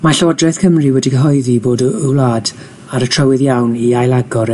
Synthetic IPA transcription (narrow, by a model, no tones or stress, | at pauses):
maɬɔɔdrɛθkʰəmriwɛdiɡəɦɔɨðiboːdulaːd | aɾətʰr̥əwɪðjawniajlˠaɡɔɾ